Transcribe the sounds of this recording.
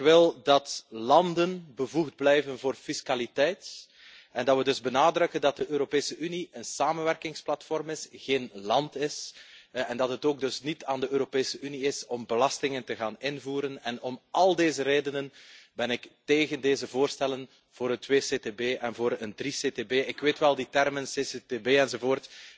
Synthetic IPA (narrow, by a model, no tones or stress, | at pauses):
ɪkʋɪlˠdɑtlɑndənbəvuɣd̚blɛjvənvoːrfiskalitɛjt | ɛndɑtʋədɵzbənaːdrɵkəndɑt̚dəʔøːɾopeːsəyniənsaːmənʋɛrkɪŋsplɑtfɔrmɪsɣeːnlɑntɪsɛndɑtɦətoːɡ̚dɵsnitaːndəøːɾopeːsəyniɪsɔmbəlɑstɪŋəntəɣaːnɪnvuːɾənɛnɔmɑlˠdeːzəɾeːdənənbɛnɪkteːɣəndeːzəvoːrstɛlən | v̥oːɾəntweːseːteːbeːʔɛnvoːɾəndriseːteːbeːɪkʋeːtʋɛlˠditɛrmənsesetebeːɛnzovoːrt